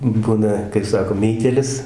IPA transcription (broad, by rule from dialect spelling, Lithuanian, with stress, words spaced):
ˈbʊnɐ kɐɪ ˈsɑːkoː ˈmʲɛɪtʲeːlʲɪs